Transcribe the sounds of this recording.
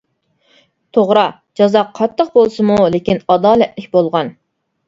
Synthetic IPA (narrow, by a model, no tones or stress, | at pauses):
t̪ʰoʁɾɑ | d͡ʒɑzɑqʰːɑt̪ʰːəqbolˠsɨmulekʲinɑd̪ɑːlɛt̪lɪkʲbolˠʁɑn